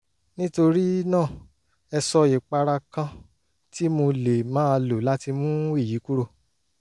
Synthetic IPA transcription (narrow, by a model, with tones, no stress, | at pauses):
nĩ˦to˧ɾi˦nãː˦˨ | ɛ˧sɔ˧i˨k͡pa˧ɾa˧kã˧ | ti˦mo˧le˨mãː˦˧lo˨la˦ti˧mũ˦i˦˨ji˨˦ku˦ɾo˧